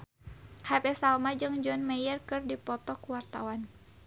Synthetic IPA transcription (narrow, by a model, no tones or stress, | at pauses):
hapɛsalmad͡ʒɨŋd͡ʒɔnmɛjərkɨrdipɔt̪ɔkuwart̪awan